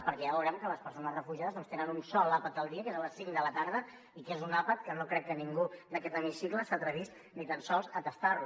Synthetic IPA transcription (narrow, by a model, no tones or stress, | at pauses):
pəɾkɛaβəwɾɛmkələspəɾsonəzrəfuʒiaðəzðɔnst̪enənunsɔlapət̪̚d̪əlˠd̪iəkezələsiŋd̪ələt̪aɾð̞ə | ikezunapət̪̚kənokɾɛkːəniŋɡud̪əkɛt̪əmisikləst̪at̪ɾəβist̪ | nit̪ənsɔlˠzət̪əst̪aɾlu